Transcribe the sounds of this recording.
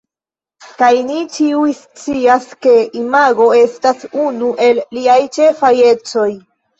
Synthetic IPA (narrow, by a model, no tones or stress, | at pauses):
kajnit͡ʃiujst͡siaske̞imaɡo̞e̞stasunuʔe̞lːiajt͡ʃe̞faje̞t͡so̞j